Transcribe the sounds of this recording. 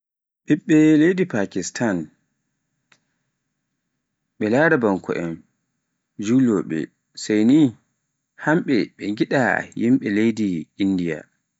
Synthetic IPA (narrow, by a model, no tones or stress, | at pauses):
ɓiɓːɛlejdipakistʰan | ɓɛlaːɾabaŋkʰɔ̰ʔɛm | d͡ʒuːlɔɓɛ̰ | sajni | hamɓɛɓɛŋɡiɗa̰jimɓɛlejdiinːdija̰